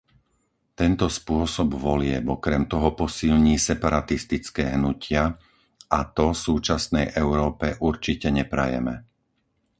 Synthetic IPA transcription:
t̪ɛnt̪ɔspʊɔsɔbʋɔlɪɛbɔkɾɛmt̪ɔɦɔpɔsiʎɲiːsɛpaɾat̪ist̪it͡skɛːɦnucɪa | at̪ɔsuːt͡ʃasnɛjʔɛʊɾɔːpɛʔuɾt͡ʃicɛɲɛpɾa̰jɛ̰mɛ

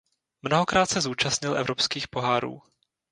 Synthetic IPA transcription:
mno̞ɦo̞kɾaːt̪sɛzuːt͡ʃasɲɪlʔɛ̰vɾo̞pskiːxpo̞ɦaːɾṵː

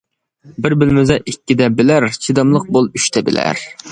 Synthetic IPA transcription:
bɪɾbɪlmyzɛʔikʲːid̪ɛbɪlæɾt͡ʃʰid̪ɑmlˠəq̚bolˠyʃt̪ʰɛbɪ̰læ̰ɾ

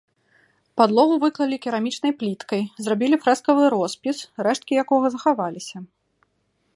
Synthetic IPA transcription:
pad̪lˠɔɣuvɨklˠɐlʲikʲɛɾamʲit͡ʂnɐjplʲit̪kɐjzrabʲilʲifɾɛskɐvɨɾɔspʲisrɛʂt̪̚kʲijakɔɣɐzɐxavalʲisʲɐ

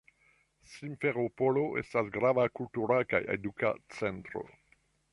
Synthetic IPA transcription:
simfeɾopoloʔe̞̰stasɡɾavakultuɾaka̰jḛduka̰t͡sentɾo̰

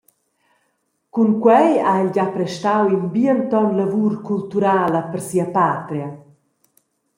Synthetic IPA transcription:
kuŋkwɛjaɛld͡ʑapɾɛʃtawinbiənt̪ɔnlavuɾkult̪uɾaːləpəɾsiəpaːt̪ɾja

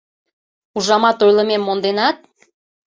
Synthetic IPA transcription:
uʒɑmɑt̪ojlə̆memːond̪enɑt̪̚

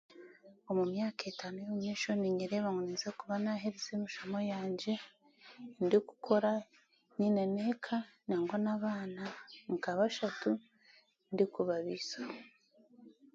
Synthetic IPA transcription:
omumɲaːketaːnujouɲeʃoniɲiɾeβaŋonezekuβanaɦeɾezemiʃomo̞jaːɲɟe̞ | ndiku̥kʰo̞ɾa | ninenekʰa | naːŋɡonaβaːnaŋkaβaʃatu | ndikuβaβisa

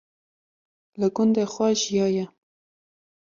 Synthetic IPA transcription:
laɡʊnd̪axwɑʒjɑja

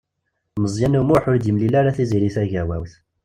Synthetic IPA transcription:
məzˤjænumʊħʊɾd̪imlilaɾaθiziɾiθæʝæwæ̰wθ

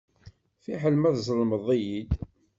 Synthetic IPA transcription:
fiħəlmæðzˤəlməðˤijid̪

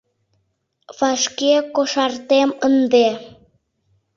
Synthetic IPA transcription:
fɑʃkekoʃɑrt̪emənd̪e

